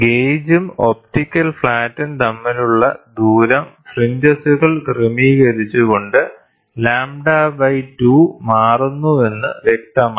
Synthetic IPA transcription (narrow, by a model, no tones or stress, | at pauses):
ɡejd͡ʑumo̞p̚tikʲːɐlfɭaːtːint̪ɐmːiluɭːɐ̰d̪uːɾɐmfriɲd͡ʑɐsuɣɐɭkremiːɣɐɾit͡ɕːuɣo̞ɳɖɨ | laːmɖaːbɐjtuːmaːrunːue̞nːɨʋek̚t̪ɐmaː